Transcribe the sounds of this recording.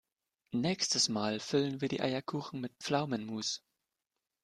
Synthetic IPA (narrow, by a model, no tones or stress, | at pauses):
nɛːkstəsmaːlfʏlənviːɐdḭːʔa̰ɪɐkʰuːxn̩mɪt̚pp͡flaʊmənmuːs